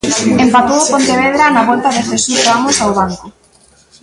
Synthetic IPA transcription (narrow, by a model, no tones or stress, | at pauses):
empat̪owpont̪eβ̞eðɾanaβolt̪aðeθesuamosawβaŋko